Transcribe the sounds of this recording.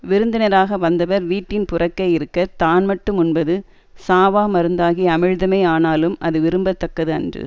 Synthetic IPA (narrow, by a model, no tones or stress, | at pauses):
ʋɪɾɯnd̪ɪnɐɾaːɣɐʋɐnd̪ɐʋɐɾʋiːʈːɪnpʊrɐkːɐɪɪɾɯkːɐɾt̪aːnmɐʈːɯmʊnbɐðɯ | saːʋaːmɐɾɯnd̪aːɣiɐmɪɻðɐmɐɪaːnaːlɯmʔɐ̰ðɯʋɪɾɯmbɐt̪ːɐkːɐðɯɐ̰ndrɯ̰